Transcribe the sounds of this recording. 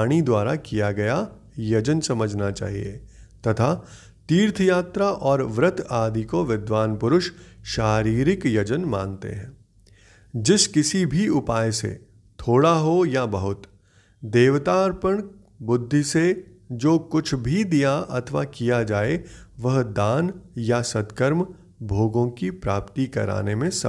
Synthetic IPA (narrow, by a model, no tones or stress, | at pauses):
ɽ̃id̪waːɾakijaɡɐja | jɐd͡ʒənsɐməd͡ʒʱnat͡ʃa̰ːɦḭjḛt̪ɐt̪ʰa | t̪iːɾt̪ʰəjaːt̪ɾaʔɔːɾʋɾət̪ʰaːd̪ikoʋɪd̪ʋaːnpʊɾʊʃʃaːɾiːɾɪkjɐd͡ʒənmã̰ːnt̪ḛɦɛ̃ː | d͡ʒɪskɪsibʱiʊpaːjsḛ | t̪ʰoːɽaɦojabɐɦʊt̪ | d̪eːʋt̪aːɾpəɳ̃ | bʊd̪ʱːise | d͡ʒoːkʊt͡ʃʰbʱid̪ijaʔɐ̰t̪ʰəʋa̰kijad͡ʒaːeʋɐɦd̪aːnjasɐt̪kəɾm | bʱoːɡõkipɾaːpt̪ikɐ̰ɾa̰ːnemẽsɐ̰